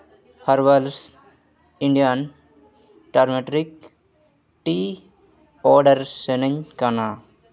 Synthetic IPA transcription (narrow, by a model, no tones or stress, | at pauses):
hɐɾʋɐls | iɳɖijan | ʈaɾmeʈɾik | ʈi | ɔːɾɖəɾsenəɲkana